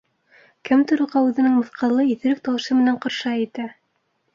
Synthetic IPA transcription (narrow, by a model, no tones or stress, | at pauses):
kɘmt̪ŏɾŭʁɑʉðɘ̆nɘŋmɤ̆θqɑlˠɤiθɘ̆ɾɘk̚t̪ɑwɤ̆ʃɤmɘ̆næɴqŏɾʃɑit̪æ